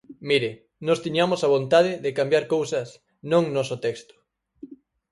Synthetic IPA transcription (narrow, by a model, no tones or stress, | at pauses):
miɾɪ | nɔst̪iɲamosaβ̞õnt̪aðɪðɪkambjaɾkowsɐs | nõŋnɔsot̪ɛkst̪ʊ̥